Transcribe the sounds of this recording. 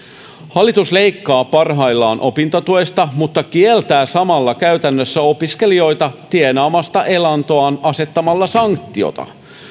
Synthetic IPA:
hɑlːit̪usle̞ikːɑːpɑrɦɑilːɑːnʔo̞pint̪ot̪uest̪ɑmut̪ːɑkielt̪æːsɑmɑlːɑkæɥt̪ænːøsːæo̞piske̞lio̞jt̪ɑt̪ienɑːmɑst̪ɑʔelɑnt̪oɑːnɑse̞t̪ːɑmɑlːɑsɑŋkt̪ːio̰t̪ɑ̰

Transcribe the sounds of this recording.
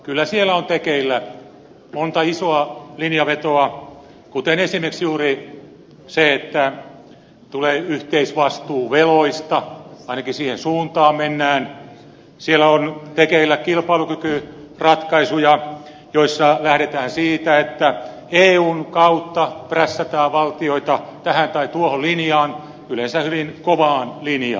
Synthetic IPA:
kylːæsielːˑæont̪ekeilːæ | mont̪ɑisoɑlinjɑʋet̪oɑ | kut̪enesimeksjuːri | seet̪ːæ | t̪uleːyht̪eisʋɑst̪uːʋeloist̪ɑɑinɑkisiːhensuːnt̪ɑːmmenːæːn | sielæont̪ekeʋilːækilpɑilukykyrɑt̪kɑisujɑ | joisːɑlæhɾet̪æːnsiːt̪æet̪ːæ | eːuːnkɑut̪ːɑpræsːæt̪æːʋɑlt̪ioit̪ɑt̪æhænt̪ɑit̪uohollinjɑːn | ylensæhyʋinkoʋɑːnlinjɑ̰ː

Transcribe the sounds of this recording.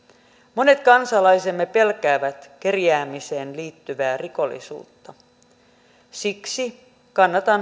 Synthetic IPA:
mo̞ne̞t̪kɑnsɑlɑjsemːepe̞lkæːʋæt̪k̟erjæːmise̞ːnliːt̪ːyʋæːriko̞lːḭsṵːt̪ːɑ | siksi | kɑnːɑt̪ɑm

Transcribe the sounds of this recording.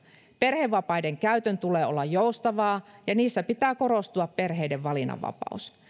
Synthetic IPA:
pe̞rheʋːɑpɑjdeŋkæyt̪ønt̪uleːo̰lːɑjjoust̪ɑʋɑːjɑniːsːæpit̪æːko̞ɾost̪uɑppe̞rɦeijdeʋʋɑlinɑ̰ʋɑ̰pɑ̰us

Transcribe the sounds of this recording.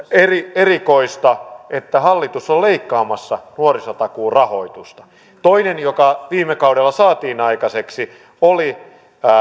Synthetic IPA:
erierikoist̪ɑʔet̪ːæhɑlːit̪usolleikːɑːmɑsːɑnuorisot̪ɑkuːrɑho̞it̪ust̪ɑ̥ | t̪oinenjokɑʋiːmːekɑudelːɑsɑːt̪iːnɑikɑseksi | oli

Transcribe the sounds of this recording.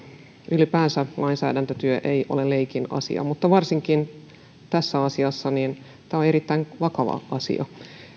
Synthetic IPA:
ʔylipæːnsælʔɑinsæ̰ːdænt̪øt̪yøʔejʔo̰leleikinɑ̰sḭɑ̰mut̪ːɑʋɑrsiŋkin | t̪æsːæɑsiɑsːɑnin | t̪æone̞ɾit̪ːæinʋɑkɑʋɑ̰ʔɑsḭɑ̰

